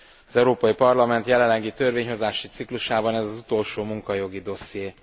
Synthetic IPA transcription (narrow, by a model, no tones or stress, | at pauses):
ɒzɛuɾoːpɒjipɒrlɒmɛnt̪jɛlɛlːɛɡit̪ø̞rveːɲɦo̞zaːʃit̪sikluʃaːbɒnɛzɒzut̪o̞lʃoːmuŋkɒjo̞ɡid̪o̞sjeː